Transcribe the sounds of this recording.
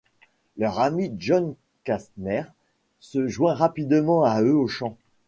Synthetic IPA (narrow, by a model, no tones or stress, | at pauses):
lœʁamiʒɔn | kast̪nɛʁ | səʒwɛ̃ʁapid̪mɑ̃aøoʃɑ̃